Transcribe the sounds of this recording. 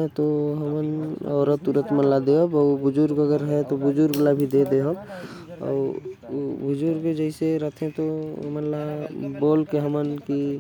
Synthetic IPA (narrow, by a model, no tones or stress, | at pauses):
t̪oɦəmənɔːɾət̪ːuɾət̪mənlad̪eɦəbɔbud͡ʒuɾɡəɡəɾɦɛt̪obʊd͡ʒuɾɡəlabʱid̪ed̪eɦəb | ɔ̰ubʊd͡ʒuɾked͡ʒəɪseɾət̪ʰẽt̪oɦəmənlabolkeɦəmənki